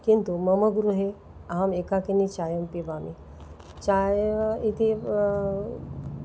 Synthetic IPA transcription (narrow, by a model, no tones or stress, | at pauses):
kint̪uməməɡɾuɦe | aɦamekakinit͡ɕajəmpibami | t͡ɕajit̪ʰe